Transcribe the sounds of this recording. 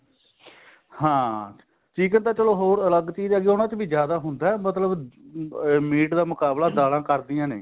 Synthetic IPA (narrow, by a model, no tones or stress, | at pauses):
hãː | t͡ʃiːkə̃nt̪ãːt͡ʃəloːɦoːɾələɡt͡ʃiːd͡ʒaːɡeːoːnãːt͡ʃbiːd͡ʒjaːd̪aːɦʊnd̪aːɛmət̪ləb | miːʈd̪aːmʊkaːblaːd̪aːlãːkəɾd̪ijãːnḛː